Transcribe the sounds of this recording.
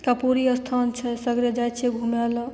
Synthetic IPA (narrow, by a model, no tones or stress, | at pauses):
kapuɾiəst̪ʰant͡ʃʰɛsəɡɾed͡ʒajt͡ʃʰɛɡʱumɛl